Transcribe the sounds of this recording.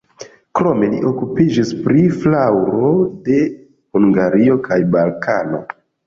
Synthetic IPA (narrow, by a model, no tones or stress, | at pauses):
kɾo̞me̞lḭʔo̞kupid͡ʒispɾiflawɾo̞de̞ | huŋɡaɾio̞kʰajbalkʰano̞̰